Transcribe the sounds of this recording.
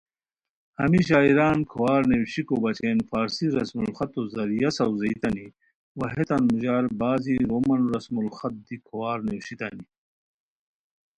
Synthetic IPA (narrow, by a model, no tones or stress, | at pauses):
hɐmiɕ̬aːiɾaːnkʰowaːɾnewɕikobɐt͡ɕeːnfaːɾsiɾɐsmulxɐt̪ozɐɾijɐsɐwzɐit̪ɐni | wɐɦet̪ɐnmuʑaːɾbaːziɾomɐnɾɐsmulxɐt̪̚d̪ikʰowaːɾnewɕit̪ɐni